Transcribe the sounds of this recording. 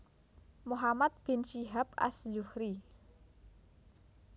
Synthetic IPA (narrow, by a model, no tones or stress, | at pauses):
moɦamat̪̚b̥ɪ̤nsiɦapa̰sd͡ʒuhɾi